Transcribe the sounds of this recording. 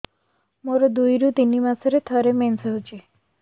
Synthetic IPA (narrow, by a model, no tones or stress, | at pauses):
moɾɔd̪ujɾut̪inimasɔɾet̪ʰɔɾemensəɦot͡ʃʰe